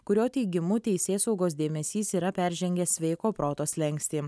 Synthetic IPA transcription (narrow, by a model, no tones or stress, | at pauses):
kʊɾʲoːt̪ʲɛɪɡʲɪmut̪ʲɛɪsʲeːsɒʊɡoːs̬d̪ʲeːmʲɛsʲiːsiːɾɐpʲæɾʲʒʲɛŋʲɡʲɛsʋʲɛɪkoːpɾoːt̪oːslʲɛŋʲˑksʲt̪ʲiː